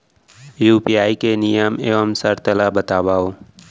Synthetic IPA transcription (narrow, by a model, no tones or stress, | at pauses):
juːpijaːikenɪjəmeːʋəmsəɾt̪əlabət̪aːbaːoː